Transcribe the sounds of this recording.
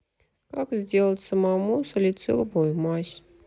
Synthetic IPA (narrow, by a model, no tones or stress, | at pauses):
kakzʲdʲe̞lˠətʲsəmamusəlʲɪt̪sɨ̰lˠvojmaɕʲ